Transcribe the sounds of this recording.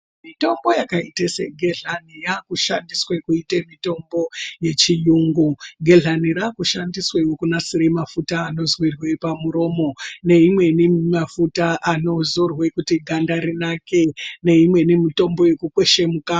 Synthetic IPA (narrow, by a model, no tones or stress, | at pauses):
mito̞mbo̞jakaiteseɡʱeɮanijakuʃandiswekuitemito̞mbo̞je̞t͡ʃijuŋɡuɡʱe̞ɮaniɾakuʃandiswewokunasiɾemafutaːno̞zwirwe̞pamuɾo̞ːmo̞ne̞imwe̞nimafutaʔano̞zorwe̞kutiɡʱandaɾinake̞ne̞imwe̞nimito̞mbo̞je̞kukwe̞ʃe̞muka